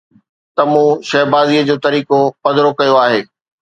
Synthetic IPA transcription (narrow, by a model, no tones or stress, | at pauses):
t̪ɐmũːʃɛːbaːziːəd͡ʑoːt̪ɐɾiːkopɐd̪ɾokɐjoaːɦeː